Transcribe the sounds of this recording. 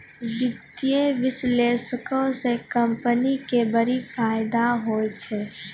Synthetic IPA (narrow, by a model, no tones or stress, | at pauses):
ɡɪt̪ieʋɪsleːsəkõsekɐ̃mpənikebəɾifaːɪd̪aɦoːt͡ʃʰɛː